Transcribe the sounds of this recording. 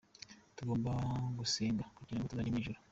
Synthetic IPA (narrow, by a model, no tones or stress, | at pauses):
tuɡo̞ːmbaɡusiːŋɡakuɟiːɾaŋɡot̪uzaɲimiʒuɾa